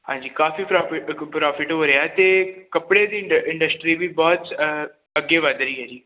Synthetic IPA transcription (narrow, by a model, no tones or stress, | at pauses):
hã̰ːɲd͡ʒiːkaːfiːpɾɔːɪpɾɔːfɪʈɦoːɾeaːt̪eːkəpɽeːd̪iːʔɪ̃ɳɖəsʈɾiːʋiːbɔːt̪ | əɡːeːʋəd̪ɾəiːɦɛːd͡ʒiː